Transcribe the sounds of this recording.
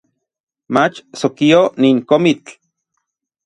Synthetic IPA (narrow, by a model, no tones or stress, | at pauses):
mat͡ʃsokioniːŋkomit͡ɬ